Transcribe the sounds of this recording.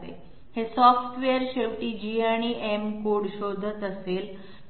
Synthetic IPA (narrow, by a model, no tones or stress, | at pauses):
ḛ | hesɔfʈʋeəɾɕeʋʈiːd͡ʑiaɽ̃iːʔemkoɽɕod̪ʱət̪əseːl